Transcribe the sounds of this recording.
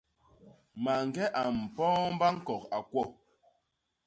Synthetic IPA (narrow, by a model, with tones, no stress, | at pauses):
ma˨ŋ˨ɡɛ˦ʔa˨m̩˨pɔː˦m˦ba˦ŋ̩˦kɔ˨ka˨kwɔ˦˨